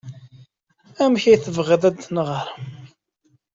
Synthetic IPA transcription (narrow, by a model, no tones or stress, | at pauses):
æmçæjθəvʁəðæd̪nəʁəɾˤ